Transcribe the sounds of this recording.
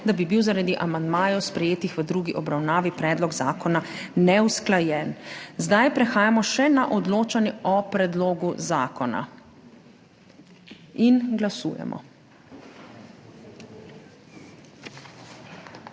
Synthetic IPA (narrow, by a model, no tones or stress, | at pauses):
d̪abibiwzaɾad̪iʔamand̪maːjɔwspɾɛjeːt̪ixʋəd̪ɾuːɡiʔɔbɾawnaːʋipɾɛːd̪lɔɡzaːkɔna | nɛwsklajɛːnzd̪ajpɾɛxaːjamɔʃɛnaʔɔd̪loːt͡ʃanjɛʔɔpɾɛd̪loːɡuzaːkɔna̰ | inɡlasṵːjɛ̰mʔɔ̰